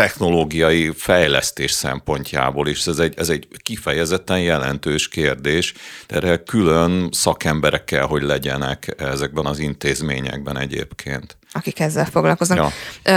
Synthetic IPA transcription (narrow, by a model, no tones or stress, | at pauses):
t̪ɛxno̞loːɡijɒjifɛjlɛ̰st̪eːʃsɛ̰mpo̞ɲca̰ːboːleːʃɛzɛɟɛzɛɟkifɛjɛzɛt̪ːɛnjɛlɛnt̪øːʃkeːrd̪eːʃd̪ɛɾɛkylønsɒkɛmbɛɾɛkːɛlɦo̞ɟlɛɟɛnɛkɛzɛɡ̚bɛnɒzint̪eːzmḛːɲɛ̰ɡ̚bɛnɛ̰ɟḛːpkʰḛːnt̪ | ɒkikɛzːɛlfoɡlɒlko̞znɒ